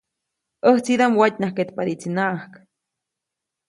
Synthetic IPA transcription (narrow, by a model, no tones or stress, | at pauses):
əht͡sid̪amwat̪ʲnahket̪paɾit͡sinahk